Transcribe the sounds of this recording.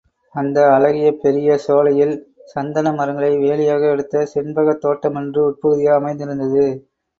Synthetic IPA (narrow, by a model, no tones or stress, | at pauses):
ɐnd̪ɐɐlɐɣɪjɐpɛɾɪjɐsoːlɐjɪlsɐnd̪ɐnɐmɐɾɐŋɡɐɭɐɪʋeːlɪjaːɣɐɛɽɯt̪ːɐsɪnbɐɣɐt̪ːoːʈːɐmɛndrɯʊʈ̚pɯɣɯðɪjaːɐmɐɪnd̪ɪɾɯnd̪ɐðɯ